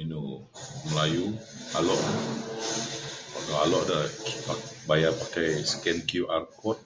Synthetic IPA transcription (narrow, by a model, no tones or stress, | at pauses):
ino | məlaju | a̰lɔʔ | akaalɔʔdəabajapakajsə̥kɛnkjuʔarkɔt̚